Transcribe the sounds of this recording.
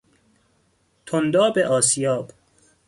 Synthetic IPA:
t̪ʰond̪ɒːbeʔɒːsijɒːb̥

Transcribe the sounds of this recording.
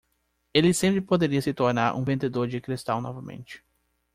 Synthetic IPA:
elɪsẽmpɾɪpod̪eɾiɐsɪt̪oɾnaɾʔṵ̃vẽnd̪ed̪oɾd͡ʒɪkɾist̪ã̰wnɔvɐmḛ̃nt͡ʃɪ̥

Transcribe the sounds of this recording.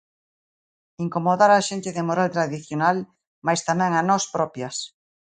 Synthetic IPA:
iŋkomoðaɾaʃent̪ɪðɪmoɾalt̪ɾaðiθjonal | majst̪amɛ̃ŋanɔspɾɔpjɐs

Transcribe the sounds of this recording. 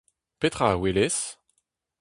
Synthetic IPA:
pet̪χawilɛs

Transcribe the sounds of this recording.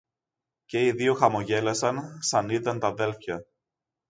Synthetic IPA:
ce̞iðioxɐmo̞ʝe̞lɐsɐnsɐnit̪ɐnt̪ɐðe̞lfçɐ

